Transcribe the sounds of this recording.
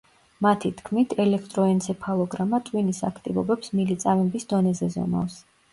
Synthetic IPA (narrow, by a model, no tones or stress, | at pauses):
mat̪ʰit̪ʰkʰmit̪ʰɛlɛkʰt̪ʼɾɔɛnsʰɛpʰalˠɔɡɾamat̪ʼwinisa̰kʰt̪ʼivɔ̰bɛpsmilit̪sʼamɛbisd̪ɔnɛzɛzɔ̰ma̰fs